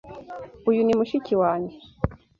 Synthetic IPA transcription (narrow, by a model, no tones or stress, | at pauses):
ujunimuʃiciwaːɲe